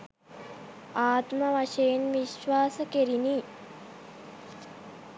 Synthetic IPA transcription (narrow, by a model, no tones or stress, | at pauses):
aːt̪mɐʋaʃeenʋiʃʋaːsəkeɾini